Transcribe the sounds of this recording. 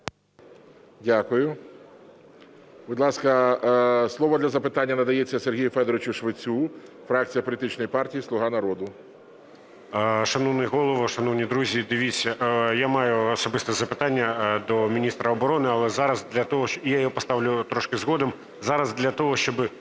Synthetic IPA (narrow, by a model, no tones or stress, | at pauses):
dʲakʊjʊ | bʊd̪ʲlˠɑskɐ | slˠɔʋɔd̪lʲɐzɐpɪt̪ɑnʲːɐnɐd̪ɐjet͡sʲːɐserɦʲijʊfɛd̪ɔɾɪt͡ʃʊʃʋɪt͡sʲu | fɾɑkt͡sʲijɐpɔlʲit̪ɪt͡ʃnɔjipɑrtʲijislˠʊɦɑnɐɾɔd̪ʊ | ʃɐnɔwnɪɦɔlˠɔʋɔʃɐnɔwnʲid̪ɾuzʲid̪ɪʋʲit͡sʲːɐʔjamɑjʊɔsɔbɪst̪ɛzɐpɪt̪ɑnʲːɐd̪ɔmʲinʲist̪ɾɐɔbɔɾɔnɪɐlˠɛzɑɾɐzd̪lʲɐt̪ɔɦɔjajɔɦɔpɔst̪ɑʋlʲʊt̪ɾɔʃkɪzɦɔd̪ɔm | zɑɾɐzd̪lʲɐt̪ɔɦɔʃt͡ʃɔbɪ